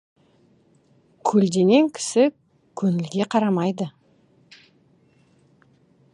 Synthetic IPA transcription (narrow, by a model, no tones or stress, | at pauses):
kʲʰɵld̪e̞ne̞ŋkʲʰɪ̥sɪ | kʲʰɵnɪlɡʲe̞qʰɑɾɑmɑjd̪ə